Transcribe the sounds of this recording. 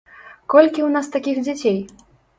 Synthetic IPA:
kɔlʲkʲiwnast̪akʲixd͡zʲat͡sʲej

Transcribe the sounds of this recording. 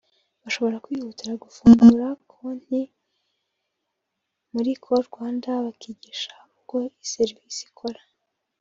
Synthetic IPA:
βaʃo̞βo̞ɾakwiːhutiɾaɡufuːŋɡuɾakʰon̥hi | muɾikʰoɾɡwaːndaβakiɟiʃḁuɡo̞iseɾvisi̥kʰoɾa

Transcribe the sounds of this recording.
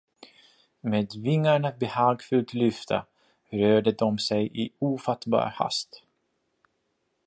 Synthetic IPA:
meːd̪vɪŋːaɳabɛhɑːɡfɵlt̪lʏft̪ʰə̰ | ɾøːɖəd̪ɔmsɛjʔɪuːfat̪bɑ̰ːɾha̰st̪

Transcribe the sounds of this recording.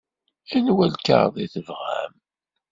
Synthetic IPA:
ænwælkə̰ɾðˤiθəvʁæ̰m

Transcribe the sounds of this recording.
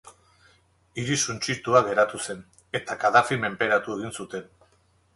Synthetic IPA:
iɾisunt͡ʃiɾt̪uaɣe̞ɾat̪use̞n | e̞t̪akaðafime̞mpe̞ɾat̪ue̞ɣ̞insut̪e̞n

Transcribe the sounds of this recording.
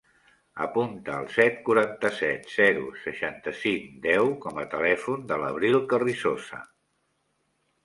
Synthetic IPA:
ə̰punt̪əːlˠsɛt̪kuɾant̪əsɛt̪z̥ɛɾṵsəʃant̪əsiŋd̪ɛwkɔmət̪əlɛfund̪ələβ̞ɾilˠkərisozə̰

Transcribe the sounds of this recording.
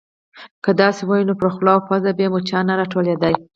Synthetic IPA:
kəd̪ɑsewɑjinopɾəxlɑwfazabjemot͡ʃɑnaɾɑʈoled̪aj

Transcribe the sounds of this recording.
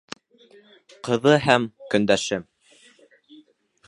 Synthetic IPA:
qɤ̆ðɤɦæmkɵ̆nd̪æʃɘm

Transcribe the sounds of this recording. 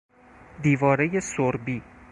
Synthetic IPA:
d̪iːvɒːɾe̞je̞soɾbiː

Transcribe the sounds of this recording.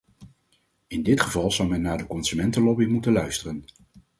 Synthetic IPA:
ɪndɪtχəvɑlˠzʌwmɛnːaːɹdəkɔnsymɛntəlɔbimutənlœɥstərən

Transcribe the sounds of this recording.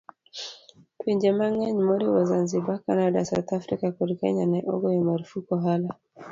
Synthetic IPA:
twiɲd͡ʒɛmaŋaɲimɔɾiwazanzibakanadasawt̪afɾikakɔɾikɛ̰ɲanɛʔɔɡɔjamaɾufukɔɦala

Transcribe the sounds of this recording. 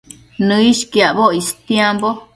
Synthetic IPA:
nɨ̃iʃkiaβoist̪jembo

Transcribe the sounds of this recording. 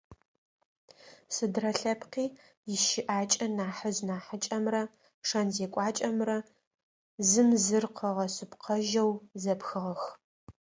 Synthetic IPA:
sɨdrɐɬɐpqiː | jɪʃɪʔaːt͡ʃʼɐnaːħəznaːħət͡ʃʼɐmrɐ | ʂɐnzeːkʷʼɑːt͡ʃʼɐmrɐ | zɨmzɨrqʰəʁɐsɨpqʰɐʒɐwzɐpxɨʁɐx

